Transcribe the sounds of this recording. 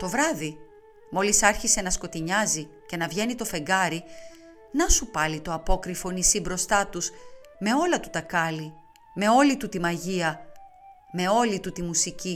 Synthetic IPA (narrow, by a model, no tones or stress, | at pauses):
t̪o̞vɾɐði | mo̞lisɐɾçise̞nɐsko̞t̪iɲɐzice̞nɐvʝe̞nit̪o̞fe̞ŋɡɐɾi | nɐsupɐlit̪o̞ɐpo̞kɾifo̞nisibɾo̞st̪ɐt̪usme̞o̞lɐt̪u̥t̪ɐkɐli | me̞o̞lit̪ut̪imɐʝiɐ | me̞o̞lit̪ut̪imusici